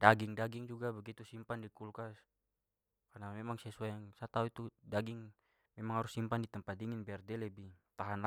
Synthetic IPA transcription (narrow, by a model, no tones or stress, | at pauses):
daɡiŋdaɡiŋd͡ʒuɡabəɡit̪usimpandikulkas | karnamɛmaŋsɛsuajaŋsat̪auit̪udaɡiŋ | mɛmaŋɦaɾusːimpandit̪əmpat̪̚diŋinbɛardɛlɛbit̪aɦanl